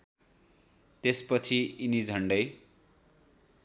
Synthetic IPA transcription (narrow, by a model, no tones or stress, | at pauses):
t̪espʌt͡sʰiinid͡zʱʌɳɖʌj